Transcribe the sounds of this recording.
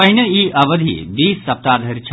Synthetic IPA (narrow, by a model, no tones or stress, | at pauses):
ɐɦnəiːʔɐʋəd̪ʱḭbiːsːɐp̚t̪aːd̪ʱɐɾt͡ʃʰ